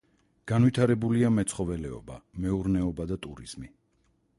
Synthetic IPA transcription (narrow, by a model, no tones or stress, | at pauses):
ɡ̥anvit̪ʰaɾɛbuliamɛt̪sʰχɔvɛlɛɔ̰ba̰mɛuɾnɛɔbad̪at̪ʼuɾḭz̥mi